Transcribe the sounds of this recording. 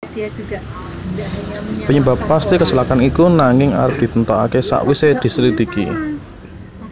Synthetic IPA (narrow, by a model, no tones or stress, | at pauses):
pəɲəba̤pːast̪ikəsulakanikunaŋɪŋa̰ɾəp̚d̪̥i̤t̪ənt̪ɔa̰kesa̰ʔwised̪̥i̤səɾid̪̥i̤kḭ